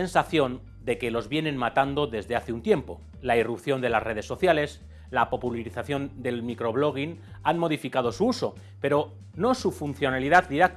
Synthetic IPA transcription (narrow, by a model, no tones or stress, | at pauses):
ensaθjo̞n | d̪e̞ke̞lo̞zβje̞nẽ̞nmat̪and̪o̞ðe̞zðe̞aθeunt̪je̞mpo̞ | lairupθjo̞nd̪e̞lasre̞ð̞e̞sːo̞θjale̞s | lapo̞pulaɾiθaθjo̞nd̪e̞lmikɾo̞βlo̞ɣ̞inanmo̞ðifikað̞o̞suuso̞ | pe̞ɾo̞ | no̞sufunθjo̞naliðaðd̪iɾak̚